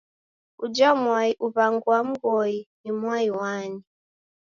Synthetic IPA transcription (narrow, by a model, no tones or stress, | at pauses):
ud͡ʒamwaiʔuβaŋɡuwam̩ɡɔinimwaiwani